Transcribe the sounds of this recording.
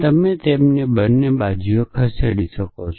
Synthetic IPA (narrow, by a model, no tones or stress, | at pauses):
t̪əmet̪emnebənːebad͡ʒijokʰəseɽiʃəkot͡ʃʰ